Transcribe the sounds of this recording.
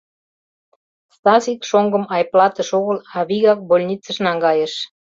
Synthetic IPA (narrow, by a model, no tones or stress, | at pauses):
st̪ɑsikʃoŋɡə̆mɑjplɑt̪əʃoɣəlɑβiɣɑk̚bolʲnʲit͡səʃnɑŋɡɑjəʃ